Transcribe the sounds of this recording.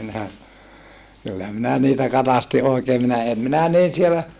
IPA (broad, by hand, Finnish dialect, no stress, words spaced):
minæ kylːæ minæ niːtæ kɑtɑsti oikeː minæ em minæ niːn sielæ